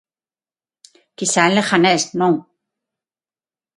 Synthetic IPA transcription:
kisaleχanesnoŋ

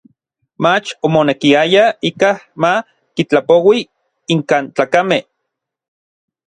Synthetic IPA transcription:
mat͡ʃomonekiajaikahma | kit͡ɬapowi | iŋkaːnt͡ɬaːkameh

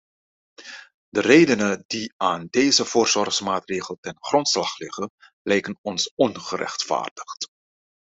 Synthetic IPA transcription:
dərejdənədiaːndejzəvʊːrzɔrχsmaːtreːχəlˠtɛnχrɔntslɑχlɪχən | lɛjkənɔnsɔnχəɾʔɛ̰χtfa̰ːrdəχt

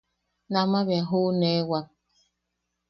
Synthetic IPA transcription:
namaβjaɦonewak̚

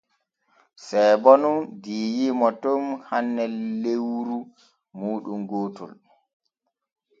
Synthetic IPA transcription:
sɛjbɔnundiːjimɔtɔmhanːɛlːewɾu | muːɗumɡoːtɔ̰l

